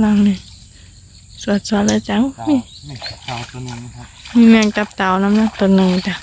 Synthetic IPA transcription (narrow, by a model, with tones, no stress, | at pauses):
la˧˨ŋni˧˩ | su˨˩ət̪̚su˧˨ət̪̚laː˧˨t͡ɕa˧˥˨wmiː˧˨ | miː˧˨mɛː˧˨ŋt̪a˧p̚t̪a˨˩˨wna˧˥mna˧˥˨k̚t̪o˨˧˩nːɯ˨ŋi˧˩t̪a˧˩